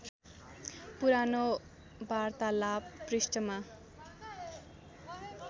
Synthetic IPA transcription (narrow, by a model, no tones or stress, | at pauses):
puɾano | bart̪alabːrisʈʌma